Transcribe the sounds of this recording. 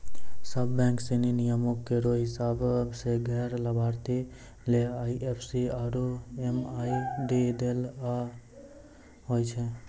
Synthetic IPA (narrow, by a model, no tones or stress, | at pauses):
səbːɛ̃ŋkseninijəmokːeɾoɦɪsabbseɡʱɛɾləbʱaɾt̪i | leaiʔepʰsiaɾoemajɖeɖela | ɦojt͡ʃʰe